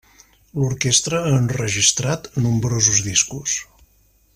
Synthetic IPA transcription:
luɾkest̪ɾəːnrəʒist̪ɾat̪numbɾozuzðiskus

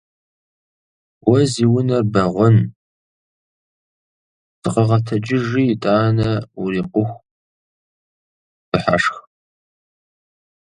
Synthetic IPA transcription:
wɐziːwʊnɐrbɐʁʷɔn | sɨqɐʁɐtʰɐd͡ʒɪʒiːtʼaːnɐuriːqʷʊxʷ | b̥ɨħa̰ʂx

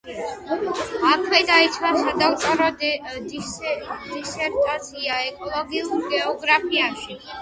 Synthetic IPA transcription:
akʰwɛd̪ait̪sʰwasad̪akkʼaɾɔd̪d̪ | d̪isɛɾt̪ʼasʰiaɛkʼɔlˠɔɡiuɾɡɛɔɡɾapʰiaʃi

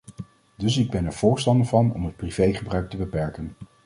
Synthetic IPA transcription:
dɵsɪɡ̚bɛnɛɹv̥ʊːɹstɑndəɹvɑnɔ̰mɦət̚priv̥ejχəbrœɥk̚təbəpɛɹkən

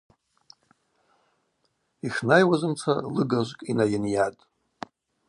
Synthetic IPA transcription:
iχnajwazɨmt͡sʰalɨɡaʒʷkʼinajɪnjatʼ

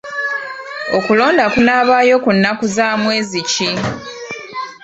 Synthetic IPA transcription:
o̞kulo̞ːndakunaːβaːjo̞kunːakuzaːmwe̞ːzici

